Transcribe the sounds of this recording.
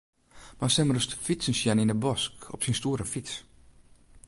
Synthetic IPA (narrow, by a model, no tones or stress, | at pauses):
masɛmərəstfisənsjɛninəbɔskɔ̰psinstuəɾəfis